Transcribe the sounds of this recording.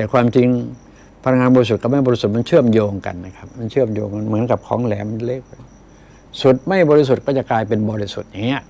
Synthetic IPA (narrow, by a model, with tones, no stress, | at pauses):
t̪ɛː˨˩kwaː˧mt͡ɕi˧ŋ | pʰa˧na˧˩ŋaː˧nbɔː˧i˧s̬u˨˩t̪̚kɔ˧˩ma˥˩jbɔː˧i˦su˨˩t̪̚ma˧nt͡ɕʰɯ˥˩əmjoː˧ŋka̰˨˩nːa˦˧˩kʰa˦˥p̚ma˧nt͡ɕʰɯ˥˩əmjo̰ː˧ŋa˧nmɯ˩˦ənka˨˩p̚kʰɔ̰ː˩˦ŋlɛː˩˦m˧leː˦˧˩k̚ː | su˨˩t̪̚ma˥˩jbɔː˧ɾi˦˧s̬u˨˩t̪̚kɔː˥˩t͡ɕa˨˩klaː˧jpe˧nbɔː˧ɾi˧sṵ˨˩t̪̚ja˨˩ŋːi˦˥˩ʔ